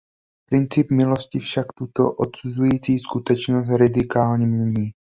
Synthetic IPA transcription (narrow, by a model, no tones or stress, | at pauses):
pɾɪnt͡sɪpmɪlo̞scɪfʃakt̪ut̪oʔot̪suzujiːt͡siːskut̪ɛt͡ʃnos̬t̪ɾɪd̪ɪkaːlɲɛmɲɛɲiː